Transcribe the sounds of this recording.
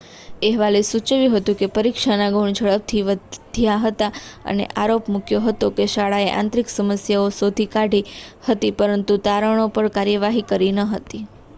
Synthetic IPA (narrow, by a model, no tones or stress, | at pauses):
eɦʋalesut͡ʃʋjũɦət̪ũkepəɾikʃanaɡuɳ̃d͡ʒʱəɭəb̚t̪ʰiʋədd̪ʱijaɦət̪aə̰nḛʔaɾopmukjoɦət̪okeʃaɭaeʔã̰nt̪ɾiksəməsjaosod̪ʱikaɖʱihət̪ipəɾənt̪ut̪aɾəɳ̃opəɳkaɾjəʋaɦikəɾinəɦət̪i